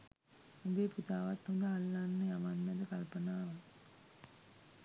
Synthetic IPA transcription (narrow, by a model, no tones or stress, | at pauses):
umbeput̪aːʋat̪hond̪əɦalːanːəjamanmæd̪əkalpənaːʋa